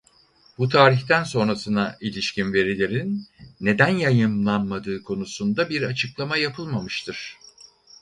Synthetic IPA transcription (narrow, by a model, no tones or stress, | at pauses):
but̪ʰaːɾiçt̪ʰænso̞nɾasɯnaʔilʲiʃcʰinve̞ɾilʲe̞ɾinːe̞d̪ænjajɯmlˠanmad̪ɯːkʰo̞nusund̪abiɾat͡ʃʰɯklˠamajapʰɯlˠmamɯʃt̪ʰɯɾ̥